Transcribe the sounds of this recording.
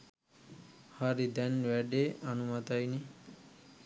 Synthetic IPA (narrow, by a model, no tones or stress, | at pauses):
haɾid̪ɛnwɛɖeanumat̪ajni